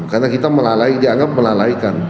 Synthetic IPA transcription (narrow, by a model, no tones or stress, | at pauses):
karnakit̪aməlalaidiaŋɡap̚məlalaikan